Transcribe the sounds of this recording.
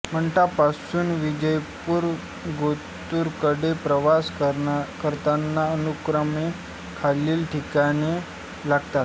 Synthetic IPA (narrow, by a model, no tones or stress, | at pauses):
m̤əɳʈ̪apasuːnʋid͡ʑəjpuɾ | ɡo | t̪uːɾkəɽepɾəʋaskəɾt̪anːaənukɾəme | kʰaliːlʈʰikane | laɡt̪at̪̚